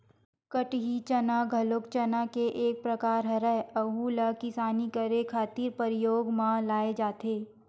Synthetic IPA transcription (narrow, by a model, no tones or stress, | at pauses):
kəʈɦit͡ʃɐnaɡʱɐlʊkt͡ʃɐnakeʔeːk̚pɾɐkaːɾɦɐɾɛɐɦulakɪsaːnikəɾekʰaːt̪iːɾpəɾɪjoːɡmãlaːed͡ʒaːt̪eː